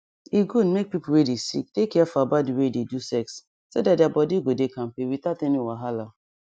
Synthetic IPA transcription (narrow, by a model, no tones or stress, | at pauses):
iɡudmek̚pipuwedisḭk̚tekːɛfɔabat̚diwededusɛks | sodadjabɔdiɡodekãm̩pewitatɛniwaɦala